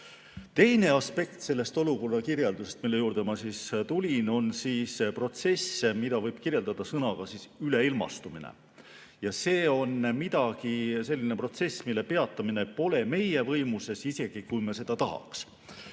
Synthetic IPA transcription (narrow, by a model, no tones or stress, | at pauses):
t̪e̞jne̞ɑspe̞k̚t̪se̞lːest̪o̞luko̞rːɑkirjeld̪use̞st̪̚milːe̞juːrd̪̥emɑsiːst̪ulʲino̞nsiːspro̞t̪se̞smid̪̥ɑvɤjb̥kirje̞ld̪̥ɑd̪̥ɑsɤnɑɡ̥ɑsisyle̞ilmɑ̰st̪uminḛ | jɑse̞ːo̞nmid̪̥ɑɡise̞lʲːinepro̞t̪se̞sːmilːe̞pe̞ɑt̪ːˑɑmine̞po̞le̞me̞je̞vɤ̞jmuse̞sise̞ɡ̥ikujmɑse̞d̪̥ɑt̪ɑɦɑ̰ks